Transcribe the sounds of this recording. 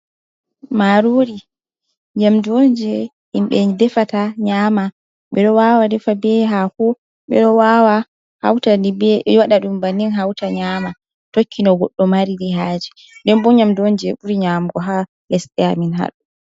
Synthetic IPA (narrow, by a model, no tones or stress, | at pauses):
maɾuɾi | ɲamdond͡ʒɛ | imɓɛdɛfataɲama | ɓɛɗɔwawadɛfabɛɦakɔ | ɓɛ̰ɗɔwawa | ha̰wtaibɛwaɗaɗumbanːinɦawtaɲama | tokʰːinɔɡɔɗːɔmaɾiɾiɦaːd͡ʒi̥ | dɛnbɔɲamdond͡ʒɛʔuɾiɲamɡɔɦa | lɛsɗɛaminɦa̰ɗu